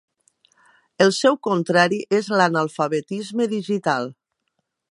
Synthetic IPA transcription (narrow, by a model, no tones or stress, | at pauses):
elˠsɛwkont̪ɾaɾiʔezlanalˠfaβet̪izmeðiʒit̪alˠ